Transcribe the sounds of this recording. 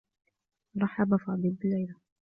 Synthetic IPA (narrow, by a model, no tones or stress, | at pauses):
ɾˤɑħabafɑːd̪ˤɨlbɪlːajla